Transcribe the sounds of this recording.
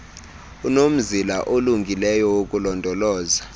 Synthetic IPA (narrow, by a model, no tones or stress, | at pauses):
unom̩zilaʔoluŋɡʱilɛjɔwokʼulɔndʱɔlɔːza